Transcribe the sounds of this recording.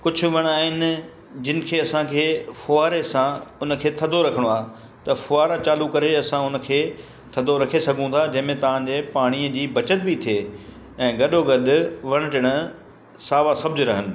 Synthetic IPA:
kʊd͡ʑʱʰʊ̆ʋɐɽ̃aːɦɪnɪ̆ | d͡ʑɪnɪ̆kʰeːɐsãkʰeːfʊaːɾesãʊnə̆kʰeːt̪ʰɐd̪ʱoɾɐkʰəɽ̃oaː | t̪ɐfʊaːɾat͡ɕaːlukɐɾeɐsãʊnə̆kʰeː | t̪ʰɐd̪ʱoɾɐkʰesɐɡʱũt̪ʰad͡ʑɐ̃ɦɪ̃mẽt̪ɐʋ̤ãd͡ʑeːpaːɽ̃iəd͡ʑiːbɐt͡ɕət̪̚bɪt̪ʰieː | ɛ̃ːɡɐɗoɡɐɗʊ̆ʋɐɽ̃ʊ̆ʈɪɽ̃ə | saːʋasɐb̚d͡ʑʊɾɐɦənɪ̆

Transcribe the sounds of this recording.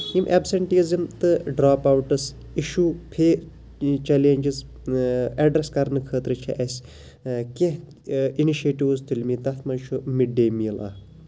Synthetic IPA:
imʔebseɳʈizimt̪ɨɖɾaːpawʈɨs | iʃuːpʰeː | t͡ʃɛleːnd͡ʒiz | ɐɖɾeskɐɾnɨkʰəːt̪ɾɨt͡ʃʰiʔɐsʲ | keɦ | iniʃeːʈiʋzt̪ʰilʲmiːt̪ɐt̪ʰmɐnʃʰumiɖːeːmiːla̰ː

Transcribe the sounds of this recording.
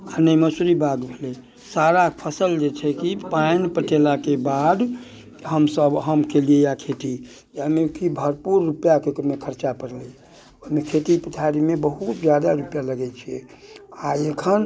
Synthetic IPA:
anəjməsuɾibʱaɡbʱelɛ | saɾapʰəsəld͡ʒet͡ʃʰɛkipainpəʈelakebad̪ | ɦəmsəbɦəmkeliejakʰeʈ̪i | jamekibʱəɾpuɾːupjakekmekʰəɾt͡ʃapəɾlɛ | əmekʰeʈ̪ipət̪ʰaɾimebəɦut̪d͡ʒjad̪aɾupjaləɡɛt͡ʃʰiɛaekʰən

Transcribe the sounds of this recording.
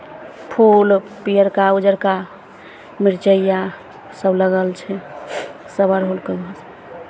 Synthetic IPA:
pʰulpijəɾkaud͡ʒəɾka | miɾt͡ʃəjːa | səbləɡəlt͡ʃʰɛ | səbəɾɦolkebəs

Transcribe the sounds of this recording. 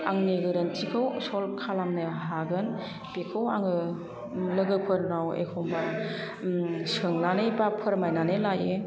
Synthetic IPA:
aŋneɡɯɾɯntikʰɯwsɔlkʰalamnɯɦaɡɯn | pekʰɯwaŋɯ | lɯɡɯpʰɯɾnawḛkʰɔmba | sɯŋlanɯbapʰɯɾmajnanɯlaje

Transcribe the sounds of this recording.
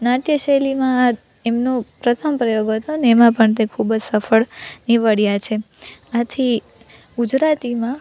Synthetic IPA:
naʈjəʃəlimãː | emnopɾət̪ʰəmpɾəjoɡɦət̪oneːmãpəɳt̪̬ekʰubd͡ʒsəfəɭniʋəɽijat͡ʃʰe | at̪ʰi | ɡud͡ʒɾat̪imã

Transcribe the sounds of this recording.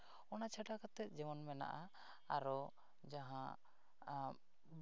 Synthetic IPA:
ɔnat͡ʃʰaʈakat̪ɛt̪̚ˀd͡ʒɛmɔnmɛna̰ʔa | aɾɔ | d͡ʒaɦã

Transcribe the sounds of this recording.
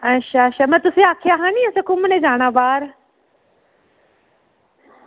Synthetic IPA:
ɐʃaʃamɐ̃t̪ʊseaːkʰɪjaːɦãːnĩɐsɐkʊmnẽd͡ʑaːɽ̃aːʋaːɾ

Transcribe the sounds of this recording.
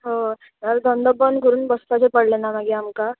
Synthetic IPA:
ɦo | jaɾd̪ɔnd̪əbənɡəɾuːnbəst̪at͡sepəɽlenːamaɡiamka

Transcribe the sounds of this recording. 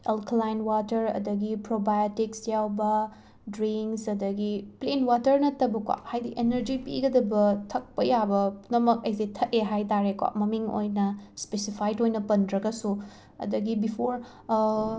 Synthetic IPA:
elklajnwatɐɾɐ̰dɐɡipɾobajotiksjawbɐ | dɾiŋksɐdɐɡiplenwatɐɾnɐtːɐbɐkwa̰p̚hajdiʔenɐɾd͡ʒipḭɡɐdɐbɐtʰɐk̚pɐjabɐnɐmɐk̚ɐjzetʰɐteɦajtaɾekwa̰p̚mɐmiŋo̰jnɐspesipʰajdojnɐpɐndɾɐɡɐsu | ɐ̰dɐɡibipʰoɾ

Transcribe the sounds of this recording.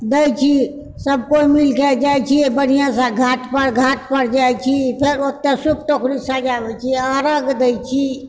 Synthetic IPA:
d̪əjt͡ʃʰi | səb̚ʱkoimilkɛd͡ʒajt͡ʃʰiebənijãsãɡʱaʈpəɽɡʱaʈ̚pəɽd͡ʒajt͡ʃʰipʰeɾok̚t̪esuk̚t̪okʰɾisad͡ʒabɛt͡ʃʰiəɾəɡd̪əjt͡ʃʰi

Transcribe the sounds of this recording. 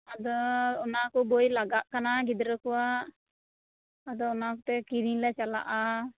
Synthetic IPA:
ad̪ɔːnakɔbojlaɡaʔkanaɡid̪ɾəkɔwaʔ | ad̪ɔɔnakɔt̪ɛkiɾiŋlɛt͡ʃala̰ʔa

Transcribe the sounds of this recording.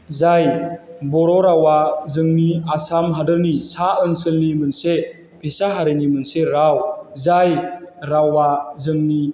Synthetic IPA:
zajbɔɾɔɾawazɯŋniasamɦadɯlnisaənsɯlnimənse | pʰesaɦaɾɯnimɯnseɾawzajɾawazɯŋni

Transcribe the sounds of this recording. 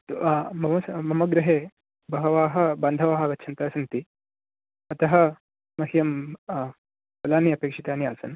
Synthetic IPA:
t̪ːmɐmɐsmɐmɐɡɾɪɦeː | bɐɦɐʋaːɦɐ̆baːnd̪ʱɐʋaːɦɐʋɐtːt͡ʃʰɐnt̪aːsɐnt̪i | ɐt̪ɐɦɐ̆ | mɐɦijɐm | pɐlaːniɐpeːkʂit̪aːnijaːsɐ̰n

